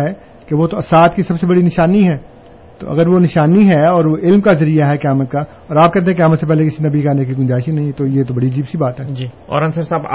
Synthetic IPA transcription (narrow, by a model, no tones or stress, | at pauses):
ɦɛ | keʋot̪oɐsaːt̪kisɐbsebɐɽinɪʃaːniɦɛː | t̪o̰ʔɐ̰ɡəɾʋonɪʃaːniɦɛɔːɾʋoʔɪlmkazɐɾijaɦɛkɐjaːmət̪̚ka | ɔːɾaːp̚kɛɦt̪eɦɛ̃k̬jaːmət̪sepɛɦlekɪsinɐbʱikanekiɡʊ̃ɲd͡ʒaːɪʃinɐɦĩt̪ojet̪̬obɐɽiɐd͡ʒiːbsibaːt̪ɦɛːd͡ʒiːɔ̰ːɾɐ̃nsəɾsaːb̰